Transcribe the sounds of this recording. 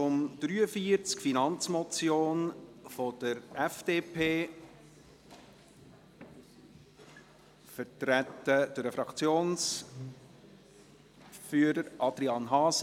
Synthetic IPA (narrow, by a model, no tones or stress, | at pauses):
ʊmd̥ɾyːəfiəɾt͡skfinɑnt͡smɔt͡sjoːnfɔd̥əɾɛfd̥eːpʰeː | fəɾtɾætːəd̥əɾəfɾɑkt͡sjoːns | fyːəɾəɾʔɑd̥̪ɾiɑnɦɑːs